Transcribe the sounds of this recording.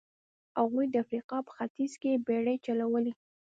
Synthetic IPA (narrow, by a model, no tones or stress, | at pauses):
aɣujd̪əafɾiqɑpə̥xat̪izkebeɽəjt͡ʃalawəli